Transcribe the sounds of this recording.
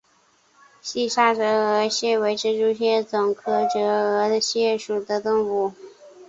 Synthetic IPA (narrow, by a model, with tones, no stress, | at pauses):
ɕi˥˩ʂa˥˩ʈ͡ʂɤ˧˥ə˧˥ɕjɛ˥˩we˧˥ɪʈ͡ʂʰɻ̩˧˥ʈ͡ʂu˥ɕjɛ˥˩t͡sʊ˨˩ŋkʰɤ˥˩ʈ͡ʂɤ˧˥ɤ˧˥ɕjɛ˥˩ʂu˨˩d̪ə˦t̪ɤ˥˩ŋfu˧˥˩